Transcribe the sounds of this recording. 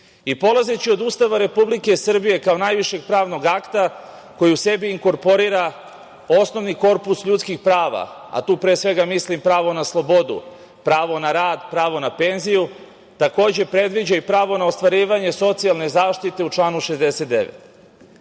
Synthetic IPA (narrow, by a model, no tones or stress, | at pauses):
ipo̞lazet͡ɕio̞d̪ust̪aʋaɾe̞publike̞sr̩bije̞kao̞najʋiʃe̞ɡ̚pɾaːʋno̞ɡakt̪a | ko̞jiuse̞biːŋko̞ɾpo̞ɾiɾa | o̞sno̞ʋniko̞ɾpusʎut̪skixpɾaːʋa̰ | a̰t̪uːpɾesʋe̞ɡamislimpɾaːʋo̞naslˠo̞bo̞d̪ṵ | pɾaːʋo̞naɾaːd̪pɾaːʋo̞nape̞nziju | t̪ako̞ːd͡ʑe̞pɾe̞d̪ʋid͡ʑaipɾaːʋo̞naost̪ʋaɾiːʋaɲe̞so̞t̪sialˠne̞zaːʃt̪it̪e̞ut͡ʃlˠaːnuʃezd̪e̞set̪̚d̪e̞̰ʋḛt̪